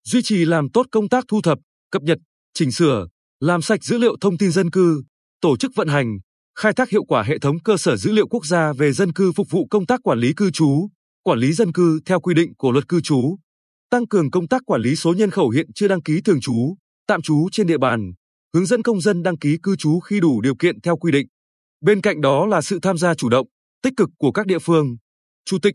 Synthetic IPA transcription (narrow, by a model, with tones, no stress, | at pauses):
zwi˧t͡ɕi˨˩laː˨˩mt̪o˦˥t̚kə˧wŋ͡mt̪aː˦˥k̚t̪ʰu˧t̪ʰə˨˩p̚ | kə˨˩p̚ɲə˨˩t̚ | t͡ɕï˧˩ŋ̟sɨ˧˩ə | laː˨˩msa˨˩k̚zɨ̰˧˥lḭ˧əwt̪ʰə˧wŋ͡mt̪i˧nzə˧nkɨ˧ | t̪o˧˩t͡ɕɨ˦˥k̚və̰˧˨nɦa˨˩jŋ̟ | xaː˧jt̪ʰaː˦˥hi˧˨wkwaː˧˩ɦḛ˧˨t̪ʰə˨˦wŋ͡mkəː˧səː˧˩zɨ̰˧˥lḭ˧˨əwku˦˥ək̚zaː˧ve˨˩zə˧nkɨ˧fʊ˨˩k͡p̚vṵ˧˨kə˧wŋ͡mt̪aː˦˥kːwaː˧˩nli˨˦kɨ˧t͡ɕu˨˦ | kwaː˧˩nli˨˦zə˧nkɨ˧t̪ʰɛ˧wkwi˧ɗḭ̈˧˨ŋ̟ku˧˩əlwə˨˩t̚kɨ˧t͡ɕu˨˦ | t̪a˧ŋkɨ˨˩əŋkə˧wŋ͡mt̪aː˦˥k̚ːwaː˧˩nli˨˦so˨˦ɲə˧nxə˧˩wɦḭ˧˨ənt͡ɕɨ˧əɗa˧ŋki˨˦t̪ʰɨ˨˩əŋt͡ɕu˨˦ | t̪a̰ː˧˨mt͡ɕu˨˦t͡ɕe˧nɗḭ˧əɓaː˨˩n | hɨ˨˦əŋzə̰˧˥nkə˧wŋ͡mzə˧nɗa˧ŋki˨˦kɨ˧t͡ɕu˨˦xi˧ɗu˧˩ɗi˨˩əwkḭ˧˨ənt̪ʰɛ˧wkwi˧ɗḭ̈˧˨ŋ̟ | ɓe˧nka̰˧˨jŋ̟ɗɔ˨˦laː˨˩sɨ̰˧˨t̪ʰaː˧mzaː˧t͡ɕu˧˩ɗə̰˧˨wŋ͡m | t̪i˦˥k̟̚kɨ˨˩kːu˧˩əkaː˦˥k̚ɗḭ˧˨əfɨ˧əŋ | t͡ɕu˧˩t̪ï˨˩k̟̚